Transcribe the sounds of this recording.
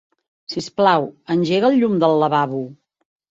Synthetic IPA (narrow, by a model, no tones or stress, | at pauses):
sisplawənʲʒeɣəlˠʎumd̪əlˠːəβaβu